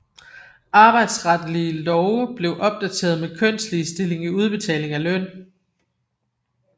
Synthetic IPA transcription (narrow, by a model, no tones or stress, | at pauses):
ɑ̈ːb̥ɑ̈ɪd̥sʁɑd̥liəlɒʊəb̥le̝ʊʔɒ̽b̥̚d̥æt͡sʰe̝̰ːɐð̞̩ˠmekʰøn̰sd̥lisd̥e̝le̝ŋiuð̞ˠb̥e̝t͡sʰɛ̰ːle̝ŋæløn̰